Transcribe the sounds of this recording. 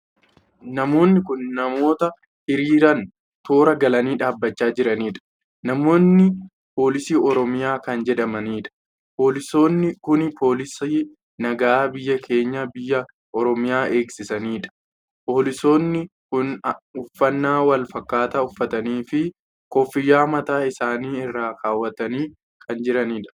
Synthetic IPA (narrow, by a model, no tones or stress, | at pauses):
nɐmo̞ːnːɪkʊnːɐmo̞ːt̪ɐ | hɪɾiːɾɐn | t̪o̞ːɾɐɡɐlɐniːᶑaːbːɐt͡ʃːaːd͡ʒɪɾɐniːᶑɐ̥ | nɐmo̞ːnːɪ | po̞ːlɪsiːɔɾɔmɪjaːkɐnd͡ʒɛᶑɐmɐniːᶑɐ̥ | po̞ːlɪso̞ːnːɪkʊnpʰo̞ːlɪsiː | nɐɡaːbɪjːɐkʰe̞ːɲːɐbɪjːɐ | ʔɔɾɔmɪjaːʔe̞ːksɪsɐniːᶑɐ̥ | po̞ːlɪso̞ːnːɪ | kʊnʊfːɐnːaːwɐlfɐkːaːt̪ɐʊfːɐt̪ɐniːfɪ | kɔfːɪjːaːmɐt̪aːɪsaːniːɪrːaːkaːwːɐt̪ɐniː | kʰɐnd͡ʒɪɾɐniːᶑɐ̥